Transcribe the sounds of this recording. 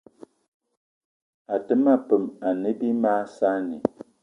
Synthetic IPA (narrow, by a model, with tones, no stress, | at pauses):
a˨tə˦ma˦pə˨ma˨nɨ˦bi˦maː˦sa˦nḭ˨